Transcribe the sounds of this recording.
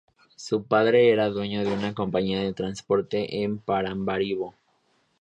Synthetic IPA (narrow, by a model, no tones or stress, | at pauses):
supaðɾe̞eɾaðwe̞ɲo̞ðeunako̞mpaɲiaðe̞t̪ɾanspo̞ɾt̪e̞ʔempaɾambaɾiβo